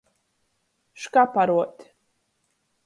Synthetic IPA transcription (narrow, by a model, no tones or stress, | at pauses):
ʂkʼapʰaɾwɔtʰʼ